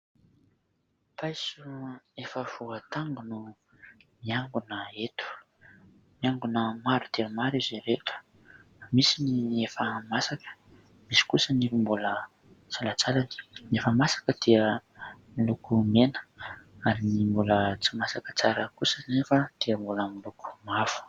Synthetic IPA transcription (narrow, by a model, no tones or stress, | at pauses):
pʰajsuefəvuət̪aŋɡunu | miaŋɡunəet̪u̥ | miaŋɡunəmaɾud̪̥iəmaɾizeɾet̪u̥ | misiniefəmasakə̥ | misi̥kusənivimbulə | t͡salət͡salani̥nefəmasḁkəd̪̥iəmilukumenə̥aɾinimbulət͡simasakə̥t͡saɾəkusənefəd̪̥iəmbuləmiluku̥mav̥u̥